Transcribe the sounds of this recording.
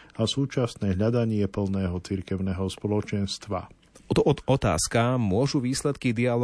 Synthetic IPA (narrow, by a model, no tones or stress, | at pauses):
asuːt͡ʃasnɛːɦʎad̪aɲɪɛpl̩ˠnɛːɦɔt͡siɾkɛʊnɛɦɔspɔlɔt͡ʃɛnst̪ʋa̰ | t̪ɔʔɔd̪ɔt̪a̰ːskamʊɔʒuʋiːslɛt̪kid̪ial